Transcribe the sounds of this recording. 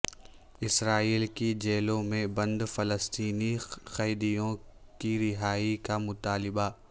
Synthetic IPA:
ɪsɾaːiːlkid͡ʒeːlõmẽbɐ̃nd̪fɐləst̪iːnixɐjd̪ijõkiɾɪɦaːikamʊt̪aːlɪba

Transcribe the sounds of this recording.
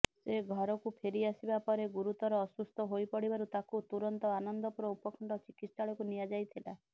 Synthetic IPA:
seɡʱɔɾɔkupʰeɾiasibapɔɾeɡuɾut̪ɔɾɔːsust̪ʰɔɦojpɔɽibaɾut̪akut̪uɾɔnt̪ɔanɔnd̪ɔpuɾɔupɔkʰɔɳɖɔt͡ʃikit̪ssaɭɔkunijad͡ʒajt̪ʰila

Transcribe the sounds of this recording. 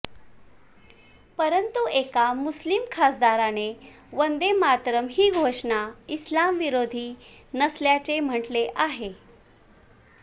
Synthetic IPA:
pəɾənt̪uekamuslimkʰasd̪aɾane | ʋənd̪emat̪ɾəmɦiːɡʱoʂɳaislamʋiɾod̪ʱiː | nəsljat͡sem̤əʈleʔaɦe

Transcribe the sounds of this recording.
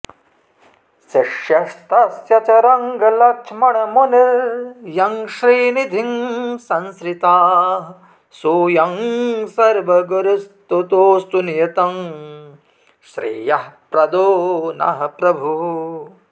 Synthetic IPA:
sɐʂjɐst̪ɐsjɐt͡ʃɐɾɐŋɡɐlɐkʂmɐɳɐmonɐjɐŋʃɾiːnid̪ʱiŋsɐnskɾit̪aːɦ | soːjɐŋsɐɾʋɐɡɐɾust̪ut̪oːst̪unjɐt̪ɐm | ʃɾḭːjɐɦpɾɐd̪oːnɐ̰ɦɐpɾɐbʱu

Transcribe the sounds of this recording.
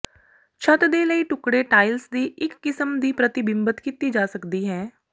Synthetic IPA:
t͡ʃʰət̪d̪eːləiːʈʊkɽeːʈaːɪlsd̪iːʔɪkːɪsəmd̪iːpɾət̪ɪbɪ̃mbət̪kɪt̪iːd͡ʒaːsəkd̪iːɦɛː

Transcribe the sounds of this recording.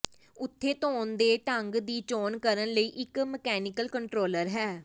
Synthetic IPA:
ʊt̪ʰːeːt̪oːnd̪eːʈəŋɡd̪iːt͡ʃoːnkəɾənləiːʔɪkməkɛːnɪkəlkəɳʈɾoːləɾɦɛː

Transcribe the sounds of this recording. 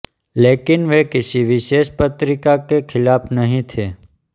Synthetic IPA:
leːkɪnʋekɪsiʋɪʃeːʃpət̪ɾɪkakekʰɪlaːpnəɦĩt̪ʰeː

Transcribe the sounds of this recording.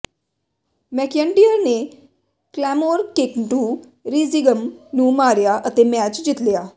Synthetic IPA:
mɛkjəɳɖijəɾne | klɛmoɾkekɳʈu | ɾiziɡəmnũːmaːɾjaʔət̪emɛt͡ʃd͡ʒit̪lijaː

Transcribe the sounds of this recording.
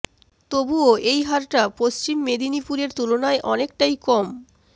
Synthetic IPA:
t̪obuoʔejɦaɾʈapost͡ɕimːed̪ʱinipuɾeɾt̪ulonaeʔɔnek̚ʈajkɔm

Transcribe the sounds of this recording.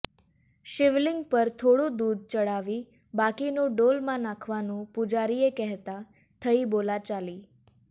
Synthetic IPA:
ʃɪʋlɪiŋɡpəɾt̪ʰoɽũd̪ud̪̚t͡ʃəɽaʋi | bakinũɖolmãnãkʰʋanũpud͡ʒaɾiekɛɦt̪a | t̪ʰəibolat͡ʃali

